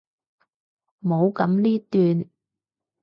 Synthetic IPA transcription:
mo˨˧wkɐ˨˥mliː˥t̪yː˧n

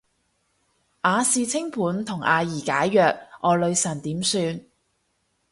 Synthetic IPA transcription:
ʔaː˨˧siː˧t͡sʰɪ˥ŋpʰuː˨˥nt̪ʰʊ˨˩ŋʔaː˧jiː˨˩kaː˨˥jːœː˨k̚ʔɔː˨˧lɵ˨˧ɥsɐ˨˩nt̪iː˨˥msyː˧n

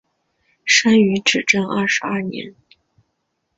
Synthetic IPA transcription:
ʂa˥ny˧˥ʈ͡ʂɻ̩˨˩ʈ͡ʂɤ˥ŋɐ˥˩ʂɻ̩˧˥ɐ˥˩njɛ̰˧˥n

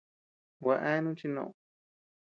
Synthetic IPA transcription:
wa˧ʔa˦nũ˦t͡ʃi˦˧nõ̰˧ʔ

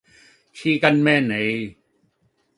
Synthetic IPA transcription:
t͡ɕʰiː˧ka˧nmɛː˧˩˨na˨˦j

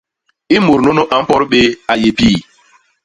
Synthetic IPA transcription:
i˦mu˨ɾno˦no˦ʔa˨m̩˦pɔ˦ɾɓe˦a˨je˨piː˦˨

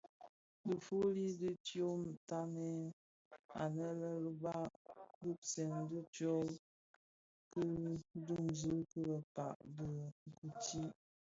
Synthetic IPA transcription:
də˨fu˦li˦di˦tjo˦mta˦ne˦ | a̰˨nə˦lə˦lu˦ba˦bə˦psɛ˨ndə˦tjo˦ | kə˦du˦mzə˦kə˦ə˨pa̰˨ʔbə˨ku˨ti˦

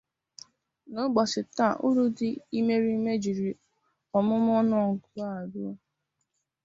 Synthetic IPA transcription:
no˦ɡ͡bɔ˨sɪ˨ta˦˨ʔṵ˦ɾu˦dɪ˦i˦me˦ɾi˦me˦d͡ʒi˨ɾi˨ | ɔ˨mʊ˦m˦ɔ˦nɔ˦ŋ̩˨ku˦a˦˨dʊ˦

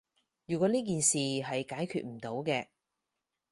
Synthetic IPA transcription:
jyː˨˩kɔː˨˧˥niː˥k̬iː˨nsiː˨ɦɐ˨jkaː˨˥jkʰy̰ː˧t̚m̩˨˩t̪o˨˥wkɛː˧

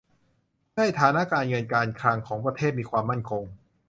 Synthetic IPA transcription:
mː˥˩a˨˩jt̪ʰaː˩˦naː˦˥˨kaː˧nŋɤ˧nkaː˧nkʰɾaː˧ŋkʰɔː˩˦ŋpɾa˧t̪ʰeː˥˩t̪̚miː˧kʰwaː˧mːa˥˩nkʰo˧ŋ

